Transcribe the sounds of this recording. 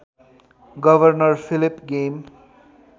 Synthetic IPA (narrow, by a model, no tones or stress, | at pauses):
ɡʌbʌrnʌrpʰilipɡem